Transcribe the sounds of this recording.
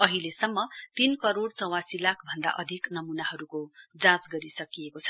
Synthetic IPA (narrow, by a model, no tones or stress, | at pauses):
ʌɦilesʌmːʌt̪inkʌɾoɽt͡sʌw̃ãsilakʰbʱʌnd̪a̰ʔʌd̪ʱiknʌmunaɦʌɾukod͡zãt͡sɡʌɾisʌkijekot͡sʰʌ̥